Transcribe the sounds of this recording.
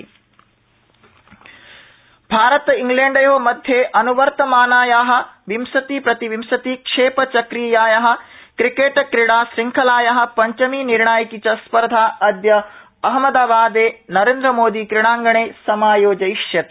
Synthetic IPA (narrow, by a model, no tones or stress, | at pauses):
bʱaːɾɐt̪iŋɡleːɳɖɐjoːmɐd̪ʱjeʔɐnuʋɐɾt̪ɐmaːnaːjaːɦɐ̆ʋimsɐt̪iːpɾɐt̪iʋimsɐt̪iːkʂeːpɐt͡ʃɐkɾiːjaːjɐɦɐ̆kɾikeːʈkɾiɽ̃aːsɾiŋkʰɐlaːjɐɦɐ̆pɐɲt͡ʃɐmiːniɾɳaːjɐkit͡ʃɐspɐɾd̪ʱaːʔɐd̪jɐ | ɐɦmɐd̪aːbaːd̪eːnɐɾeːnd̪ɾɐmoːd̪iːkɾɪɽaːŋɡɐɳ̃eːsɐmaːjoːd͡ʒɐiʃjɐt̪